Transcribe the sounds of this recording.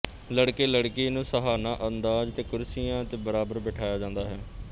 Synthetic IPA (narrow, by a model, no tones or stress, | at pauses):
ləɽkeːləɽkiːnũːsəɦaːnãːʔənd̪aːd͡ʒt̪eːkʊɾsijãːt̪eːbəɾaːbəɾbɪʈʰaːjaːd͡ʒãːnd̪aːɦɛː